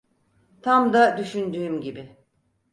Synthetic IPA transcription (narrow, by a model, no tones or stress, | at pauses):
t̪ʰamd̪ad̪yʃynd̪yːmɟibɪ